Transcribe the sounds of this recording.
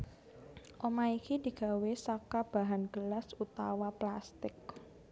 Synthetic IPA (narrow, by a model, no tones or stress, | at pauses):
ʔomaikidi̤ɡ̥a̤wesakab̥a̤ɦanɡ̥əlasut̪awaplast̪ɪk̚